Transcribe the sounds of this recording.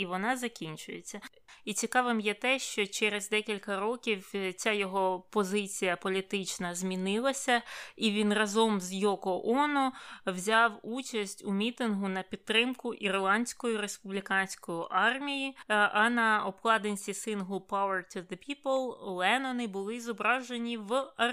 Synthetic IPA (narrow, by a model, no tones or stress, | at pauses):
iʋɔnɑzɐkʲinʲt͡ʃʊjet͡sʲːɐ | it͡sʲikɑʋɪmjɛt̪ɛʃt͡ʃɔt͡ʃɛɾezd̪ɛkʲilʲkɐɾɔkʲiwt͡sʲajɔɦɔpɔzɪt͡sʲijɐpɔlʲit̪ɪt͡ʃnɐzʲmʲinɪlˠɐsʲɐiʋʲinrɐzɔmzjɔkɔʔɔnɔwzʲɑwut͡ʃɐsʲtʲumʲit̪ɪnɦʊnɐpʲid̪̚t̪ːɾɪmkʊʔirlˠɑnʲsʲkɔjiɾespʊblʲikɑnʲsʲkɔjiʔɑrmʲijiɐnɐɔbklˠɑd̪enʲsʲisɪnɦlˠpawɐrt̪ʰʊðepʲiplˠlˠɛnɔnɪbʊlˠɪzɔbɾɑʒenʲiwɐ